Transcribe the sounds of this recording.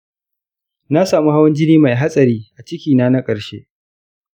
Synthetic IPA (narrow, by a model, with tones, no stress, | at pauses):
na˦saː˨mu˦ha˦wɐ˦nd͡ʒɪ˦niː˦ma˨jɦa˦sʼɐ˨ɾiː˦ʔa˨t͡ʃɪ˦kʲiː˨naː˦na˦kʼɐ˨ɾʃḛ˦ʔ